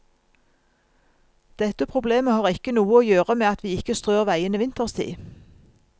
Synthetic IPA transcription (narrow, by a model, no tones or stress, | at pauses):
d̪̥ɛt̪əpʰʁʊbleːməhɑːʁɪkənuːəoːjøːʁəmeːɑt̪ʋiːɪkəst̪ʁøːʁʋæɪəniʋɪnt̪əʁst̪ʰḭː